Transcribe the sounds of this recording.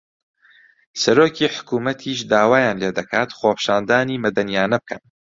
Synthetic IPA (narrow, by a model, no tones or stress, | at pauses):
sɐɾoːcʰiːħʊ̥kuːmɐt̪ʰiːʃd̪aːwaːjaːnleːd̪ɐkʰaːt̪xoːpʰʃaːnd̪aːniːmɐd̪ɐnjaːnɐb̚kʰɐn